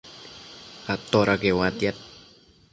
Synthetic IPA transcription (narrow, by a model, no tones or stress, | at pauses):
at̪oɾaɡewat̪jat̪̚